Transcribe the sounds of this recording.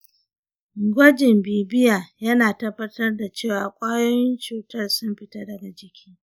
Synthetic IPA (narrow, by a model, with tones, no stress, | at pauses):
ɡʷɐ˦d͡ʒɪ˨mbiː˨bɪ˦jaː˨jɐ˦naː˨tɐ˦bɐ˦tɐ˦rda˨t͡ʃeː˦˨waː˨kʷʼaː˦joː˦jɪ˦nt͡ʃuː˨tɐ˦˨rsʊ˦mɸɪ˦ta˦dɐ˨ɡa˨d͡ʒɪ˨kʲʰiː˦